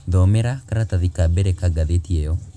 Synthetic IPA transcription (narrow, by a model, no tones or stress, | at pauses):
ðɔmɛɾakaɾataðikabɛɾɛkaɡaðetiɛjɔ